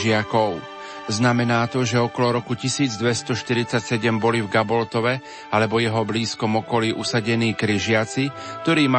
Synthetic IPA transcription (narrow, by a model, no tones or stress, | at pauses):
ɪakɔʊ | znamɛnaːt̪ɔʒɛɔkɔlɔɾɔkucisiːd͡zd̪ʋɛst̪ɔʃt̪iɾit͡sacsɛɟɛmbɔlivɡabɔlt̪ɔʋɛ | alɛbɔjɛɦɔbliːskɔmɔkɔliːʔusaɟɛniːkɾiʒɪat͡sik̚t̪ɔɾiːma